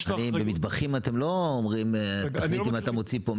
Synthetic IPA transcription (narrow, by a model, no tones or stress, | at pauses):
anibemid̪baχimat̪emlo̞ːmʁimtaitimat̪amo̞t͡sipo